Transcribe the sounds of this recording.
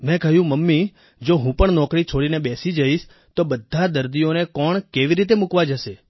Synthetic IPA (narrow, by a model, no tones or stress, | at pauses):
mɛ̃kəɦjũməmːi | d͡ʒoɦũpəɳnɔ̃kɾit͡ʃʰoɽinebesid͡ʒəiʃ | t̪obəd̪ʱːad̪əɾd̪ijonekɔɳkeʋiɾit̪̬emukʋad͡ʒəʃe